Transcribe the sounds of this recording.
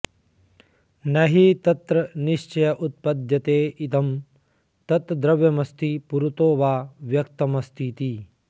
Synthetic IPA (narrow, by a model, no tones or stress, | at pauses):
nɐɦit̪ɐt̪ɾɐniʃt͡ʃɐjɐʔut̪̚pɐd̪jɐt̪eːit̪ɐm | t̪ɐt̪ɾɐd̪ɾɐʋjɐmɐst̪ʰipuɾut̪oːʋaːʋjɐk̚t̪ɐmɐst̪ʰit̪i